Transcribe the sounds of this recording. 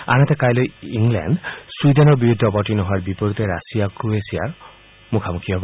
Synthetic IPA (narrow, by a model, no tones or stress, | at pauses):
a̰nat̪ekajlojiŋlɛ̰nɖsud̪enɔɹbiud̪ʱːɔbɔʈinɔɦɔaɹbipɔɾut̪eɾasijakɾuesija̰ɹ | mukʰamukʰiɔb